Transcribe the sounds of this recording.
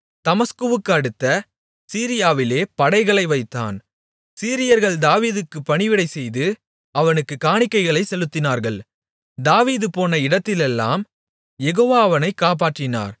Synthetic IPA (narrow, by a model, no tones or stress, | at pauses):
t̪ɐmɐskɯʋɯkːɯɐɽɯt̪ːɐ | siːɾɪjaːʋɪleːpɐɽɐɪɣɐɭɐɪʋɐɪt̪ːa̰ːn | siːɾɪjɐɾɣɐɭd̪aːʋiːðɯkːɯpːɐɳɪʋɪɽɐɪsɛjðɯ | ɐʋɐnɯkːɯkaːɳɪkːɐɪɣɐɭɐɪsɛlɯt̪ːɪnaːɾɣɐɭ | d̪aːʋiːðɯpoːnɐɪɽɐt̪ːɪlɛlːa̰ːm | jɛɣoːʋaːʋɐnɐɪkːaːp̬aːʈrɪna̰ːɾ